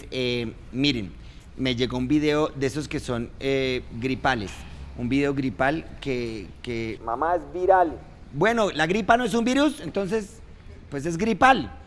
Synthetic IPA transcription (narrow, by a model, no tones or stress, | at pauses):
e | miɾen | me̞ʝe̞ɣo̞umbiðeod̪esoske̞so̞neɡɾipale̞sumbiðe̞oɣɾipalkekemamaezbiɾal | bwe̞no̞laɣɾipano̞e̞s̬umbiɾuse̞nt̪o̞ns̬e̞s | pwe̞s̬e̞zɡɾipal